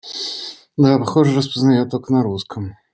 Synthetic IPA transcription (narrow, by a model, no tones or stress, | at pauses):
d̪apɐxɔʐɨrəspəznajot̪oknɐɾuskʰəm